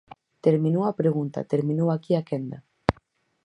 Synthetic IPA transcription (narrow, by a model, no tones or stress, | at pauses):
t̪eɾmĩnowapɾeɣunt̪a̰t̪eɾmĩnowakiakend̪a